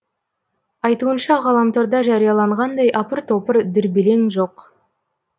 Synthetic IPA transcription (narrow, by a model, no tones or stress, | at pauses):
ɑjt̪uənʃɑʁɑlˠɑmt̪ʰoɾd̪ɑʒɑɾijɑlˠɑɴʁɑnd̪ɑjʔɑpəɾt̪ʰo̞pəɾd̪ɪɾbɪle̞ŋʒo̞q